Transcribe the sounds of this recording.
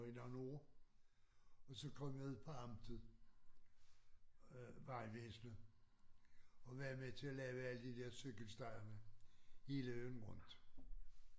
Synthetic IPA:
enɒno̝ːɐ | ɒ̽sɒ̽kʰɒ̽m̰jɑuð̰ˠpʰɒ̽ɑ̈md̥əð̩ˠ | ʋɑ̈ɪʋesnə | ɒ̽ʋæɐmet͡sʰe̝ælɛːʊəæləd̥id̥eɐ̰søɡ̥əlsd̥ɑ̈ɪɐməhe̝ːləønʁɔn̰d̥

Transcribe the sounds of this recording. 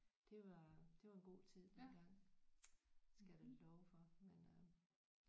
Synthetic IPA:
d̥e̝ʋɑ̈d̥e̝ʋɑ̈enɡ̥o̝̰ːt͡sʰið̰ˠd̥enɡ̥ɑ̈ŋ̰ | sɡ̥ædelɒʊfɒ̽menø

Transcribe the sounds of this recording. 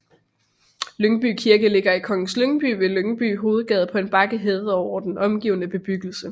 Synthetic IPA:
løŋb̥y̰ːkʰiɐɡ̥əle̝ɡ̥ɐikʰɒ̽ŋn̩sløŋb̥y̰ːʋe̝løŋb̥y̰ːɦo̝ːð̞̩ˠɡ̥ɛð̞ˠpʰɒ̽e̝nb̥ɑ̈ɡ̥əɦeːð̩ˠɒʊɐd̥enɒ̽mɡ̥ḭːʊənəb̥e̝b̥yɡ̥l̩sə

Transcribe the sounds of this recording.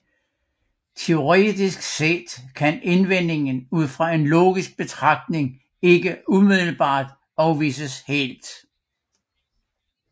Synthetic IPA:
t͡sʰe̝o̝ʁɛ̰ːd̥isɡ̥sed̥kʰæne̝nʋen̰e̝ŋn̩uð̞̰ˠfʁɑ̈e̝nlo̝̰ːɡ̥isɡ̥̚b̥e̝t͡sʰʁɑ̈ɡ̥̚d̥ne̝ŋ | e̝ɡ̥əumiðˠl̩b̥ɑ̰̈ːd̥ | ɒ̽ʊʋḭːsəshḛld̥

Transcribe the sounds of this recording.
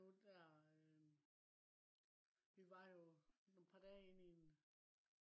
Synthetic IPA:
od̥æɐ | ʋiʋɑ̈jo̝nopʰɑ̈d̥ɛ̰ːe̝nien

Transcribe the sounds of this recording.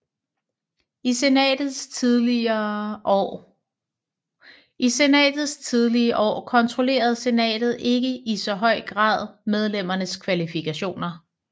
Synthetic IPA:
isendð̩ˠsˠ | ise̝nɛ̰ːd̥ð̞̩ˠst͡sʰið̞ˠliəʔɒ̰ːkʰɒ̽nt͡sʰʁo̝le̝̰ːɐð̞̩ˠse̝nɛ̰ːd̥ð̩ˠe̝ɡ̥əisɒ̽ɦɒ̽ɪ̰ɡ̥ʁɑ̰̈ːð̞̰ˠmeð̞ˠlem̰ɐnəskʰʋælifikʰæɕo̝̰ːnɐ

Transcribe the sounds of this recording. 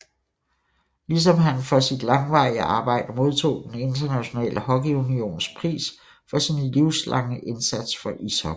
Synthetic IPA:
lis̬ɒ̽mɦænfɒ̽sid̥lɑ̈ŋʋɑ̈ɪəʔɑ̈ːb̥ɑ̈ɪ̰d̥əmo̝ð̞ˠt͡sʰo̝̰ːd̥ene̝nd̥ɐnæɕo̝nɛ̰ːlʔəhɒ̽ɡ̥iunio̝̰ːnspʰʁḭːs | fɒ̽sinliʊslʔɑ̈ŋəʔe̝nsæd̥sfɒ̽ʔisɒɡ

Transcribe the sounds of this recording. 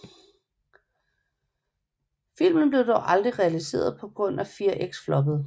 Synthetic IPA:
fil̰mən̩b̥le̝ʊd̥ɒʊʔɑ̈ld̥ʁiʁɛælise̝̰ːɐð̞ˠpʰɒ̽ɡ̥ʁɔ̽n̰æfiːɐʔeɡ̥sflɒ̽b̥əð̩ˠ

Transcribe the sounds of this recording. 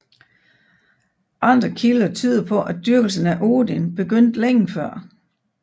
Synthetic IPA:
ʔɑ̈nd̥ʁɐkʰilɐt͡sʰyːðˠpʰɒ̽ʔæd̥yɐɡ̥l̩sn̩æʔo̝ːd̥inb̥e̝ɡ̥øn̰d̥leŋ̰̩fɶɐ̰

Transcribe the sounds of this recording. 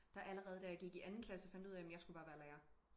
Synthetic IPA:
d̥ɑ̈ʔæləʁɛːð̩ˠd̥æjäɡ̥iɡ̥iʔænn̩kʰlæsəɒfænd̥uð̰ˠɛmemnjɑ̈ɪsɡ̥ub̥ɑ̈ːʋæɐlæːɐ

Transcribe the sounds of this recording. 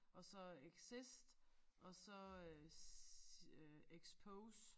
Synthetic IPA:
ɒ̽sɒ̽eɡ̥sisd̥ʔɒ̽sɒ̽ | eɡ̥spʰoʊs

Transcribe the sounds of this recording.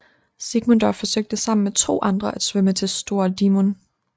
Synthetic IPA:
siɡ̥mond̥ɒfɒ̽søɡ̥̚d̥əsɑ̈m̰n̩met͡sʰo̝̰ːʔɑ̈nd̥ʁɐʔæd̥sʋømət͡sʰe̝lsd̥o̝ɐd̥imon

